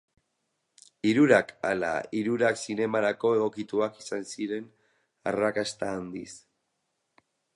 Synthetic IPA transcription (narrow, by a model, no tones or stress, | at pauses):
iɾuɾakala̰iɾuɾaksine̞maɾako̞e̞ɣ̞o̞kit̪uakisansiɾe̞n | a̰rakast̪aːnd̪is